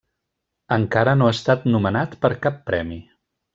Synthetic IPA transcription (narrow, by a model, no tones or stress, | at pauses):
əŋkaɾənoast̪at̪numənat̪pəɾkapːɾɛmi